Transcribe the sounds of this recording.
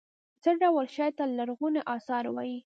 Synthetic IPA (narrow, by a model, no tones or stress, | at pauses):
t͡səɖawəlʃɑjt̪alaɾɣunaʔɑsɑɾwɑ̰ji